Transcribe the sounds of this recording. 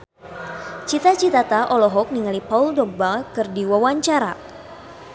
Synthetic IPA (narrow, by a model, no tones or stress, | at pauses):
t͡ʃit̪at͡ʃit̪at̪aʔɔlɔɦɔk̚niŋalipauldɔk̚bakɨrdiwawaɲt͡ʃaɾa